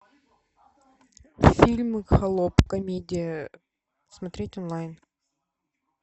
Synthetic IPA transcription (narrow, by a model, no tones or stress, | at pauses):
fʲilʲmɨxɐlˠopkɐmʲedʲɪjə | smɐt̪ɾʲetʲɔnlˠajn